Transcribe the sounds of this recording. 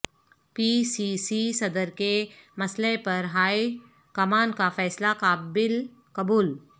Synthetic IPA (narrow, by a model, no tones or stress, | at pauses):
piːsisisɐd̪əɾkemɐsləepɐɾɦaːi | kɐmaːnkafɛːslakaːbɪl | kɐbuːl